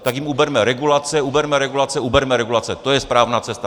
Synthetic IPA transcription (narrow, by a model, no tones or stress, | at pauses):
t̪akjimubɛɾmɛɾɛɡulat͡sɛubɛɾmɛɾɛɡulat͡sɛubɛɾmɛɾɛɡulat͡sɛt̪o̞jɛspɾaːvnaːt͡sɛst̪a